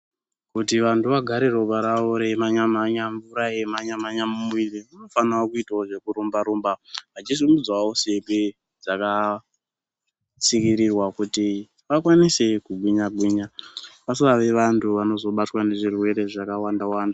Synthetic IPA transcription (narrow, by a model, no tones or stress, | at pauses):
kutiʋantʰuʋaɡʱaɾeɾoɓaɾaoɾemaɲamaɲaɱvuɾaemaɲamaɲamumuiriuno̞fanaokuitaoʐe̞kuɾumbaɾumbamad͡ʒisimud͡zwaose̞pe | d͡zaka | t͡sikiɾirwakuti | ʋakwanise̞kuɓiɲaɓiːɲapasiʋaʋe̞ʋantʰuʋano̞zo̞ɓatwane̞ʐirwe̞ɾe̞ʐakawandawaːnda